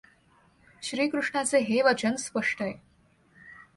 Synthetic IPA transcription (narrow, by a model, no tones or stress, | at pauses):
ɕɾiːkɾuʂɳat͡seɦeʋət͡ɕənspəʂʈəe